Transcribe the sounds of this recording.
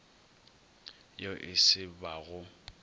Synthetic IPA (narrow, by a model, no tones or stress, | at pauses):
joʔɪsɪbaɣʊ